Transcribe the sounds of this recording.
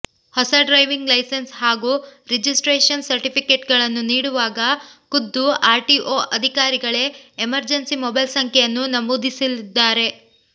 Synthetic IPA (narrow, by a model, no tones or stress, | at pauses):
hɔsɐɖɾɐjʋiŋɡlɐjsensɦaːɡuːɾed͡ʒisʈɾeːʂɐnsɐɾʈipʰike̞ʈɡɐɭɐnːuniːɽuʋaːɡɐkud̪ːuaːɾʈiːʔoːʔɐd̪ʱikaːɾiɡɐɭe̞ːmɐɾd͡ʒɐnsimɔbɐjlsɐŋkʰɛjɐnːunɐmud̪isilid̪ːaːɾe̞